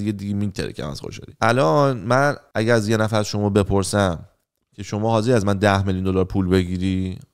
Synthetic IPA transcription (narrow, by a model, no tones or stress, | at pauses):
d̪iɟed̪iɡemint̪ʰæɾḛcʰæ̰mæ̰z̥xo̰ʃɒ̰lḭʔælɒnmænæɟæɾzjenæfæɾzʃo̞mɒːbe̞pʰo̞ɾsæm | cʰe̞ʃo̞mɒːɦɒːzeɾiæzmænd̪æhmeljund̪o̞lɒːɾpʰuːlbe̞ɡiːɾiː